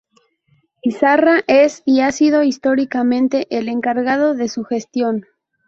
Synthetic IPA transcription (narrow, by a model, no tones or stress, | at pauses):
pisaraʔe̞siasið̞o̞ist̪o̞ɾikamẽ̞nt̪e̞ʔele̞ŋkaɾɣað̞o̞ðe̞suxe̞st̪jo̞n